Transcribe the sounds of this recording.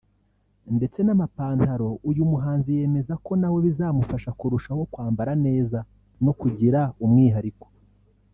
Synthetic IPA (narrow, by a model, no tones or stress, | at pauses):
nde̞t͡se̞namapaːntaɾo̞ujumuɦaːnzije̞me̞zako̞nawe̞βizaːmufaʃakuɾuʃaho̞kwaːmbaɾane̞ːza | no̞kuɟiɾaumŋiːɦaɾiko